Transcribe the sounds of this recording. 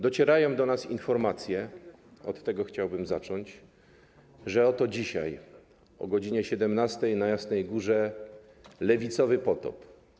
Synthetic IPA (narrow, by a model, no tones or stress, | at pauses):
d̪ɔt͡ɕɛɾajɔ̃w̃d̪ɔnasḭnfɔɾmat̪sʲjɛ | ɔt̪ːɛɡɔxt͡ɕawbɘmzat͡ʂɔɲt͡ɕ | ʐɛɔt̪ɔd͡ʑiɕa̰j | ɔ̰ɡɔd͡ʑiɲɛɕɛd̪ɛmnast̪ɛjnajasnɛjɡuʐɛ | lɛvʲit̪sɔvɘpɔt̪ɔ̰p